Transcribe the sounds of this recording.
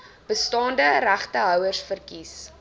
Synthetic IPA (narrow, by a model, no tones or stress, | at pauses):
b̥əstɑːndəræχtəɦœwərsfərkis